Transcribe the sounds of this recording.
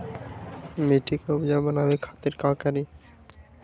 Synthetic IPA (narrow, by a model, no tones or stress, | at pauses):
meʈʰikeubd͡ʑabanabekʰat̪eɾkãkaɾi